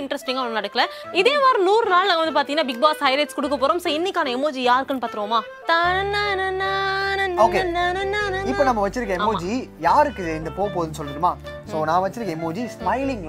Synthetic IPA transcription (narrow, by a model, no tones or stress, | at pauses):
ɪɳɖɾɐsʈɪŋɡɐʋɐɭɐnɐɽɯkːɐlɐ | ɪðeːmaːɾɯ̃nuːɾɯnaːlnãŋɡɐʋɐnd̪ɯpaːɾt̪iŋɡɐnaːbɪɡ̚baːsɦɐɪɾɐɪʈskɔɽɯkːɐpːoːɾõːmsoːɪnːɪkːaːnɐɛmːoːd͡ʒijaːɾɯkːɯnːɯpaːt̪ɯɾɯʋɐːmaː | t̪ananɐnanoːke | ɪpːonɐmːɐʋɐt͡ʃːɪɾɯkːɐɛmːoːd͡ʒijaːɾɯkːɯeːnd̪ɯpoːpoːðɯnːɯsɔlːɪɽɯmaːsoːnãːʋɐt͡ʃːɪɾɯkːɐɛmːoːd͡ʒismɐɪlɪŋ